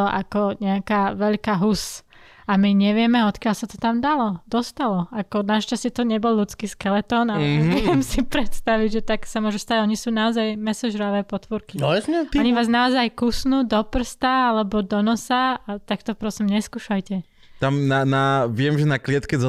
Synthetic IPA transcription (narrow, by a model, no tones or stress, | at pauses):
ɔʔakɔɲɛakaːʋɛʎkaɦus | amiɲɛʋɪɛmɛɔt̪kɪaʎsat̪ɔ̥t̪amd̪alɔd̪ɔst̪alɔakɔnaʃt͡ʃascɛt̪ɔɲɛbɔlʎut͡skiːskɛlɛt̪ɔːnaɛʋɛmsipɾɛt̪st̪aʋiɟʒɛt̪aksamʊɔʒust̪aɟɔɲisuːnaɔzajmɛsɔʒɾaʋɛːpɔt̪ʋɔɾkiɛɔɲiʋaːznaɔzajkusnuːd̪ɔpr̩st̪aalɛbɔd̪ɔnɔsaat̪akt̪ɔpɾɔsimɲɛskuːʃajcɛ | t̪amnanaʋɪɛmʒɛnaklɪɛt̪kɛzɔ